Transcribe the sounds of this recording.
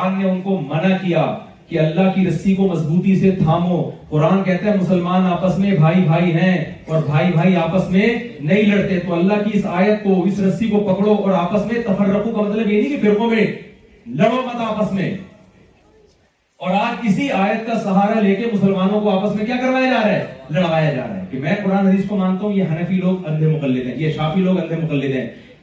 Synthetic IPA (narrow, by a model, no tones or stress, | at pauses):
aːnːeʊnkomɐnakija̰ | kiɐlːaɦkiɾɐsikomɐsbuːt̪ised̪ʱaːmõːqʊɾaːnkɛɦt̪ẽɦɛ̃mʊsəlmaːnaːpəsmẽbʱaːibʱaːiɦɛ̃ɔːɾbʱaːibʱaːiaːpəsmẽ | nɐɦĩlɐɽt̪et̪oɐlːaɦkiɪsaːjət̪̚koɪsɾɐsikopɐkɽoʔɔːɾaːpəsmẽt̪ɐfəɾːɐkõkamɐt̪ləbjenikibɪɾmõmẽ | lɐɽomɐt̪aːpəsmḛ̃ | ɔːɾaːd͡ʒkɪsiaːjət̪̚kasɐɦaːɾaleːkemʊsəlmaːnõkoaːpəsmẽkjaːkɐɾʋaːjad͡ʒaːɾaɦɛlɐɽʋaːjad͡ʒa̰ːɾa̰ɦɛ̰kimɛ̃ːqʊɾaːnɦɐd̪iːskomãːnt̪aɦũjeɦɐnəfiloːɡɐ̃nd̪ʱemʊqɐlːɪd̪ɦɛ̰̃jeʃaːfiloːɡɐ̃nd̪ʱemʊqɐlːɪd̪ɦɛ̰̃ː